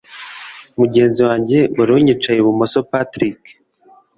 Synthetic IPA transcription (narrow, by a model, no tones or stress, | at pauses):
muɟe̞ːnziwaːɲɟe̞waɾuɲit͡ʃajeβumosopatɾik